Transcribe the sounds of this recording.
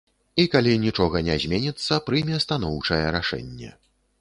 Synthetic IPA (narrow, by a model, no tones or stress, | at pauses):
ikalʲinʲit͡ʂɔɣɐnʲɛzʲmʲenʲit̪sːɐpɾɨjmʲɛst̪an̪ɔwt͡ʂɐjɛɾaʂɛ̰nʲːɛ̰